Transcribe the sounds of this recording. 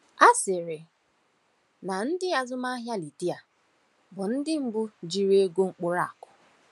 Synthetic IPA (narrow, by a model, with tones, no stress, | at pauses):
a˦sɪ˨ɾɪ˨ | na˨n̩˦dɪ˦a˨zʊ˦ma˦ɦja˦li˨di˦a˨ | bʊ˨n̩˦dɪ˦ŋ͡m̩˦bʊ˦d͡ʒi˨ɾi˦e˦ɡo˦ŋ͡m̩˦k͡pʊ˦ɾa˦˨kʊ˨